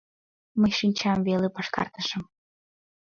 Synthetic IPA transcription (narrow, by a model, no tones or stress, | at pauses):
məjʃinʲt͡ɕɑmvelepɑʃkɑ̰rt̪əʃə̆m